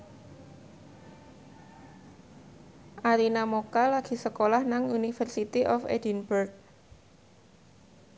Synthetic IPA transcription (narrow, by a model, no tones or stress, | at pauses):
ʔaɾinamokalaɡ̥i̤səkolahnaŋunifərsit̪iʔɔfḛdinburɡ̚